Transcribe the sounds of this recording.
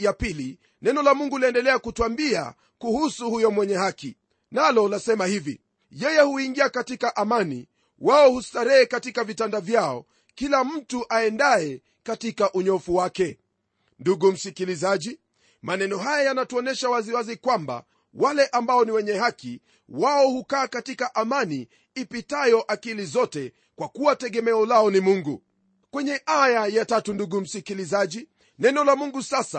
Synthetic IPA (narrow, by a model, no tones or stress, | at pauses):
japili | nɛnɔlamuŋɡulaɛndɛlɛakutuambia̰ | kuhusuhujɔmwɛɲɛhaki | nalɔlasɛmahivi | jɛjɛhuiŋɡiakatikaʔamanḭ | waɔhustaɾɛːkatikavitandavjaɔ̰ | kilam̩tuʔaɛndaɛ | katikaʔuɲɔfuwakɛ | nduɡum̩sikilizaʄi | manɛnɔɦajajanatuɔnɛʃawaziwazikwamba̰ | walɛʔambaɔniwɛɲɛhaki | waɔhukaːkatikaʔamani | ipitajɔʔakilizɔtɛ | kwakuwatɛɡɛmɛɔlaɔnimuŋɡu | kwɛɲɛʔajajatatunduɡum̩sikilizaʄi | nɛnɔlamuŋɡusasa